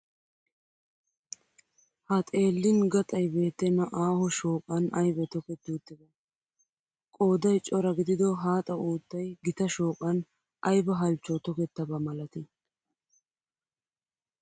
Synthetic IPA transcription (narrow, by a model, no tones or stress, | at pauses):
hɐt̪ʼe̞ːlːɪnɡɐt̪ʼɐjbe̞ːt̪ːɛnːɐʔaːhɔʃoːkʼɐnɐjbɛt̪ɔkɛt̪ːuːt̪ːɪd̪ɐ | kʼo̞ːd̪ɐjt͡ʃʼɔɾɐɡɪd̪ɪd̪ɔɦaːt̪ʼɐuːt̪ːɐjɡɪt̪ɐʃoːkʼɐn | ʔɐjbɐɦɐlt͡ʃːɔt̪ɔkɛt̪ːɐbɐmɐlɐt̪ɪ